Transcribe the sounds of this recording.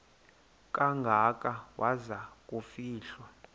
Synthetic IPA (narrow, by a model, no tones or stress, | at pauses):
kʼaŋɡʱakʼawazak̬ʼufiːɬwɔ